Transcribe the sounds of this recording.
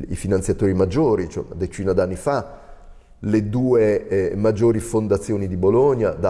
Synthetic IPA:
ḭfinant̪sjat̪oːɾimad͡ʒːoːɾit͡ʃɛ̰na̰d̪et͡ʃiːnad̪anːifa | led̪uːemad͡ʒːoːɾifond̪at̪sːjoːnid̪iboloɲjad̪a

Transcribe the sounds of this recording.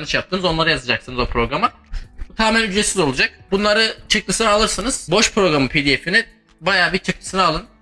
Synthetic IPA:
nɯʃjapt̪ɯːnɯzo̞nlˠaɾɯjazad͡ʒaksɯnɯzo̞pʰɾo̞ɡɾama | ut̪ʰaːmʲɛnʲyd͡ʒɾesizo̞lˠud͡ʒak̚bunlˠaɾɯt͡ʃʰɯk̚lˠɯsɯnaalˠɯɾsɯnɯz̥bo̞ʃpɾo̞ɡɾamɯpʰed̪iefini | bajaːbit͡ʃʰɯk̚lʰˠɯ̥sɯnɯalˠɯn

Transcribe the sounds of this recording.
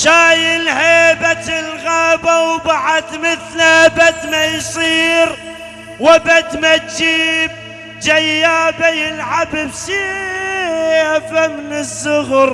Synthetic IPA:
ʃaːjɪlheːbat̪ɪlɣaːbawbaʕad̪mɪθlabad̪majsˤiːɾ | wabad̪mat̪̚d͡ʒiːb̚ | d͡ʒajːaːbajɪlʕabɪbsi | afamnɪzːʊɣɾ

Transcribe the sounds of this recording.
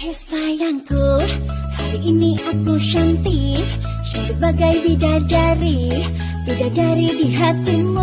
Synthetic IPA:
hesajaŋkuh | haɾiʔiniʔakuʃant̪ih | səbəbaɡajbidad͡ʒaɾi | bidaʔdaɾidiɦat̪imu

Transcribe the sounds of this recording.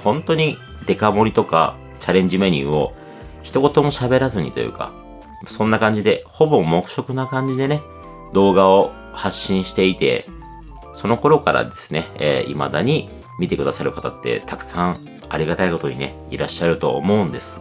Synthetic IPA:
hõ̞nt̪o̞ɲ̟i | d̪e̞kamo̞ɾʲit̪o̞ka̰ | t͡ɕaɾẽ̞ɲ̟d͡ʑime̞ɲ̟ʲɨ̰ːo̞ | çi̥t̪o̞ko̞t̪o̞mo̞ɕabe̞ɾazɨɲ̟ḭt̪o̞̰jɯ̟̰ka̰ | sõ̞nːakãɲ̟d͡ʑid̪e̞ho̞bo̞mo̞kɯ̟̥ɕo̞kɯ̟nakãɲ̟d͡ʑid̪e̞ne̞ | d̪o̞ːɡao̞ | haɕːĩɰ̃ɕi̥t̪e̞it̪e̞̰ | so̞no̞ko̞ɾo̞kaɾa̰d̪e̞sɨ̥ne̞̰ːḭma̰d̪aɲ̟i | mʲit̪e̞kɯ̟d̪asaɾɯ̟kat̪at̪ːe̞̰t̪akɯ̟̥sãŋ | aɾʲiɡat̪aiko̞t̪o̞ɲ̟ine̞̰ | iɾaɕːaɾɯ̟t̪o̞̰ːmo̞ɯ̟̃nd̪e̞sɨ̥

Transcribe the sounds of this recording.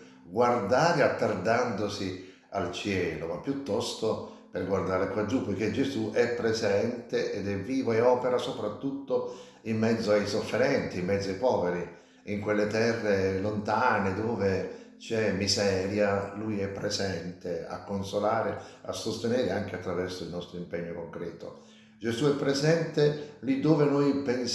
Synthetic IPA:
ɡward̪aːɾeat̪ːard̪and̪osi | alt͡ʃjɛːlomapːjut̪ːɔst̪o | perɡward̪aːɾekwad͡ʒupːojk̟ed͡ʒezuʔɛpːɾezɛnt̪eʔɛd̪ɛvːiːvoɛɔːpeɾasopɾat̪ːut̪ːo | imːɛd̪zːoajsofːeɾɛnt̪iimːɛd̪zːoajpɔːveɾi | iŋkwelːet̪ɛrːelont̪aːned̪oːvet͡ʃɛmizɛːɾjalujɛpːɾezɛnt̪ea̰kːonsolaːɾea̰sːost̪enɛːɾeaŋk̟eat̪ːɾavɛrsoilnɔst̪ɾoimpɛɲːokoŋkɾɛːt̪o̰ | d͡ʒezuɛpːɾezɛnt̪elid̪ːoːvenojpen

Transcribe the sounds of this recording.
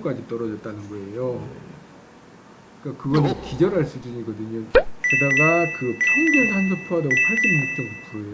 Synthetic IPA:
k͈ad͡ʑit͈ʌɾʌd͡ʑʌt̚t͈anɯnɡʌe̞jo | k͈akɯɡʌnɯkid͡ʑʌɾɦaɭs͈ud͡ʑɯɲiɡʌdɯɲokɯdaɡakɯpʰaŋɡɯŋhansʰʌpʰoadaɡopʰaɭsinmok̚t͈ʰʌnopʰuejo

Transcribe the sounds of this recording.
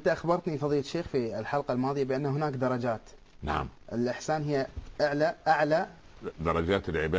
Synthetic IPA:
ʔnt̪aʔaxbɑɾˤt̪nifɑðˤiːlʃeːxfilħɑlqalmɑːðˤɨjabɪʔanːaɦʊnaːkd̪ɑɾˤɑd͡ʒaːt̪ | na̰ʕ̰mʔɪlʔɪħsaːnɦɪjːaʔaʕlaʔaʕla | d̪ɑɾˤɑd͡ʒaːt̪ɪlʕɪbaː

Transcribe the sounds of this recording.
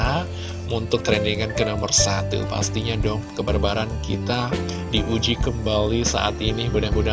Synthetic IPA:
a | munt̪ʊk̚t̪ɾeniŋankənɔmərsat̪ṵpa̰st̪iɲadɔhkəbərbaɾankḭt̪a | diʔud͡ʒikəmbalisa̰ʔa̰t̪inibudahbuda

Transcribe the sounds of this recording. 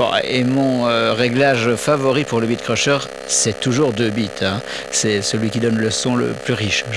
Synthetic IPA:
bɔ̰̃emɔ̃øʁɛɡlaʒfavɔʁipuʁləbit̪̚kχɔʃœʁ | sɛt̪uʒuʁd̪øbit̪ʰɛ̃ | sɛsəlɥikʲid̪ɔnləsɔ̃lə̰plyʁiʃʒ

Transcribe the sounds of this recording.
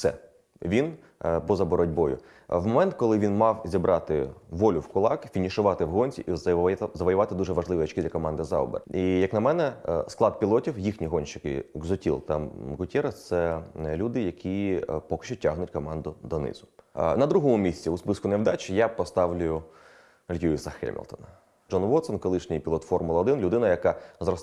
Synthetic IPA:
sɛ̰ | ʋʲin | bɔzɐbɔɾɔdʲbɔjʊ̰ | wmɔmɛnt̪kɔlˠɪʋʲinmɑwzʲibɾʔɑt̪ɪ̰ʋɔlʲʊwkʊlˠɑkfʲinʲiʃʊʋɑt̪ɪwɦɔnʲt͡sʲḭʔizzɐʋɔjʊʋɑt̪ɪd̪uʒɛʋɐʒlˠɪʋʲiɔt͡ʃkɪd̪lʲɐkɔmɑnd̪ɪzɑ̰ɔ̰bḛrijɐknɐmɛnɛsklˠɑd̪̚pʲilˠɔtʲiwjixnʲiɦɔnʲʃɪkɪ̰ɡzɔtʲḭlˠt̪ɑmɣʊtʲɛɾɐt̪sɛlʲud̪ɪjɐkʲʰipɔkɪ̥ʃt͡ʃʊtʲːaɦnʊtʲkɔmɑnd̪ʊd̪ɔnɪ̰zʊnɐd̪ɾuɦɔmʊmʲisʲt͡sʲiʊspɪskʊnɛʋd̪ɑt͡ʃʲjapɔst̪ɑʋlʲʊjʊ | ɐlʲɦʲiʋʲisɐxɛ̰lʲmʲɪ̰lʲˠt̪ɔ̰nɐ | d͡ʒɔnʋɔt̪sɔnkɔlˠɪʃnʲɪjpʲilˠɔt̪fɔrmʊlˠɔd̪ɪnlʲʊd̪ɪnɐjɐkɑzrɔs

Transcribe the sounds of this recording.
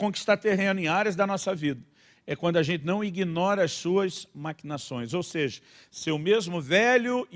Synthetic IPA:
kõki̥st̪aɾt̪eɦẽnʊẽj̃aɾjɐzd̪ɐnɔsɐvid̪ɐ | ɛkwɐ̃nd̪ʊaʒẽnt͡ʃ̪ɪnɐ̃w̃iɡinɔɾɐɐssuɐzmakinasõj̃zowseʒɐ | seʊmezmʊvɛlʊ

